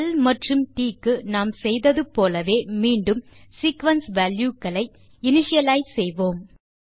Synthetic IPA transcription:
ɐlmɐʈrɯmʈiːkːɯnaːmsɛjðɐðɯpoːlɐʋeːmiːɳɖɯmsiːkʋɐnsʋaːljuːkːɐlɐɪ | ɪnɪʂɪjɐlaːjsɛjʋoːm

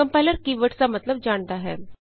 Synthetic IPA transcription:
əmpajləɾkiʋəʈt͡samət̪ləb̚d͡ʑaɳt̪aɦɛ

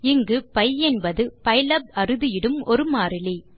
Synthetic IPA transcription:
ɪŋɡɯpɐɪɛnbɐðɯpɐɪlɐb̚ɐɾɯðɯjɪɽɯmɔɾɯmaːɾɪli

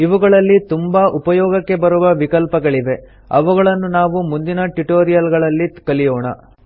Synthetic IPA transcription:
iʋuɡɐɭɐlːit̪umbɐʔupɐjɔːɡɐkːe̞bɐɾuʋɐʋikɐlpɐɡɐɭiʋe̞ | ɐʋuɡɐɭɐnːunaːʋumund̪inɐʈiʈoːɾijɐlɡɐɭɐlːikɐlijoːɳɐ

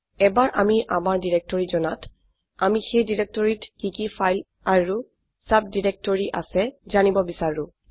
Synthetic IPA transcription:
ɛbaɹʔamiʔamaɹdiɹek̚tɔɹizɔnat | amixejdiɹek̚tɔɹitkikifajl | aɹu | sap̚diɹɛk̚tɔɹiʔa̰sɛzanibɔbisaɹʊ̃

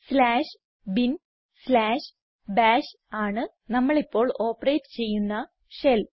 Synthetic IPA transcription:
slaːʂ | bin | slaːʂ | baːʂ | aːɳɨ | nɐmːɐɭipːo̞ːɭo̞ːpːɐreːtːɨ̥t͡ɕe̞jːunːɐ | ʂel

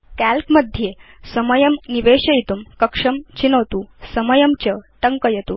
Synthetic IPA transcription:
kælkməd̪ʱje | səməjəmniʋeɕɐit̪umkɐkʂɐmt͡ɕinəʋt̪usəməjəmt͡ɕəʈəŋkəjet̪uː

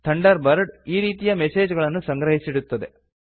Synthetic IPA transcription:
t̪ʰɐɳɖɐɾbɐɾɖiːɾiːt̪ijɐmɛse̞ːd͡ʒɡɐɭɐnːusɐŋɡɾɐɦisiɽut̪ːɐd̪e̞

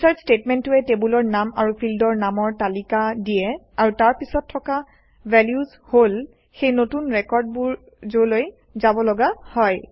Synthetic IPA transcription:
isaɹstetmɛntʊɛtebulɔɹnamaɹupʰildɔɹnamɔɹtalikadijɛ | aɹutaɹpisɔtʰːɔka | bʱɛljuz | hol | xejnotunɹɛkɔɹd̚buɹ | zoloj | zabɔlɔɡahɔj

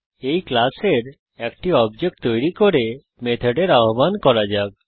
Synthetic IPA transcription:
ejklaseɾ | ɛkʈiɔbd͡ʑek̚ʈt̪ojɾikoɾe | met̪ʰeɖeɾaɦobankɔɾad͡ʑaɡ̚

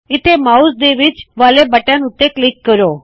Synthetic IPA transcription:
ɪt̪ʰemaːusd̪eːʋɪt͡ʃʋaːlebəʈjãːnʊt̪ːeklɪkːəɾoː

